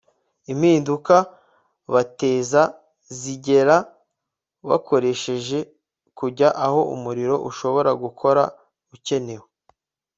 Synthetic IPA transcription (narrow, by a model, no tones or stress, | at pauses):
im̥hiːnduka | βate̞ːza | ziɟe̞ɾa | βa̰ko̞ɾe̞ʃe̞ʒe̞ | kuɟaʔaho̞ʔṵmuɾiɾo̞ʔuʃo̞βo̞ɾaɡukʰo̞ɾa | uce̞ne̞wo